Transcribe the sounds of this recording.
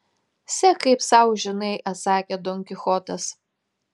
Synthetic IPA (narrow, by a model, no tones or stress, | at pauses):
sʲɛkɐɪpsɐʊʒʲɪnɐɪʔɐt̪sɑːkʲed̪ɔŋʲkʲɪxɔt̪ɐs